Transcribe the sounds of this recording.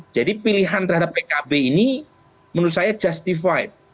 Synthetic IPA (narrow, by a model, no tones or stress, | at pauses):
d͡ʒadipiliɦant̪ərɦadappekabeini | mənusajad͡ʒast̪ifajt̪̚